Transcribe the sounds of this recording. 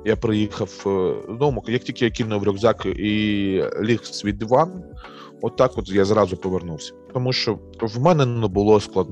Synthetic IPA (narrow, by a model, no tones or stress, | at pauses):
japɾɪjixɐwzd̪ɔwmɔkɐjɐktʲilʲkɪjɐkʲinɔʋɾʲɔɡzɑkʔilʲixsʲʋʲid̪ʲiʋɑn | ɔt̪ːɑkɔt̪jazɾɑzʊpɔʋernuwsʲɐ̥t̪ɔmuʃt͡ʃɔ | wmɛnɛnnɛbʊlˠɔsklˠɐd̪n